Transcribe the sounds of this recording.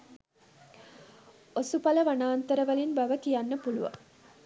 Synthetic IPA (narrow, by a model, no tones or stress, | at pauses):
osupɐləʋɐnaːnt̪əɾəʋɐlinbɐʋəkijanːəpulṵʋɐ̰